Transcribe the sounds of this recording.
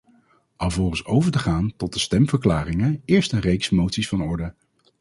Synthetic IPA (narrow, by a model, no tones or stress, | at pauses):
ʔɑlˠvɔlχənsowvəɹtəχaːntɔt̚dəstɛmv̥əɹklaːrɪŋəɪːɹstənrejksmowtsisfɑnɔɹdə